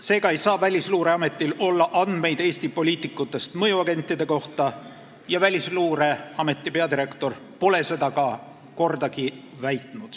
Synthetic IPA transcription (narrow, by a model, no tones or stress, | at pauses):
se̞ːɡ̥ɑe̞jsɑːvælʲisluːɾe̞ɑme̞t̪ːˑilo̞lːɑʔɑnd̪̥me̞jd̪̥e̞ːsʲt̪ipo̞lʲiːt̪ːˑikːˑut̪ːˑe̞st̪mɤjuɑɡe̞nʲt̪ːˑid̪e̞ko̞ht̪ɑ | jɑvælʲisluːɾe̞ɑme̞t̪ːˑipe̞ɑd̪iɾe̞kt̪o̞r | po̞le̞se̞d̪ɑkɑ | ko̞rd̪ɑki | væjt̪ˑnud̪̥